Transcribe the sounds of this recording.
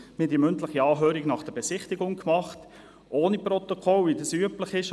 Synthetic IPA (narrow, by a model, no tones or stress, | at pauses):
mɪdiːmʏntləχiɑːɦøːɾiɡnɑχd̥əb̥ɛsɪχtɪɡʊŋkmɑχt | ʔoːniprɔt̪okʰɔlʋidɑsyəpləχɪʃ